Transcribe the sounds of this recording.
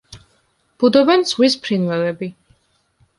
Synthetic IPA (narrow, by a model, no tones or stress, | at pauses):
b̥ud̪ɔbɛnz̥ʁwispʰɾinvɛlɛbi